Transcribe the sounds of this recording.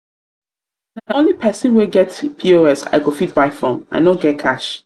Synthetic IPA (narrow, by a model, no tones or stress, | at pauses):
nãõnlipʰɛsɪ̃nweɡɛtpʰioɛsa̰ɪɡofit̚baɪfɹɔ̃mʔa̰ɪnɔɡɛt̚kʰaʃ